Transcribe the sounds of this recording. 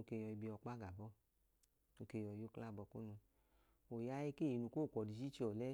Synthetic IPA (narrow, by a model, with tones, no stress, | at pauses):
o˧ke˧jɔ˧i˧bi˧ɔ˧k͡pa˦ɡa˨bɔ˦ | o˧ke˧jɔ˧˦jo˦kla˦˨bɔ˧˨kṵ˦nũ˧ | o˨ja˦je˦ke˦˨i˨˧nũ˧ko˦˨kʷɔ˨di˧˨t͡ʃi˦t͡ʃɔ˨lɛ˦